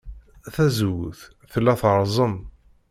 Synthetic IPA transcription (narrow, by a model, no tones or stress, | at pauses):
θæzwθ | θəlːæθɾˤzˤəm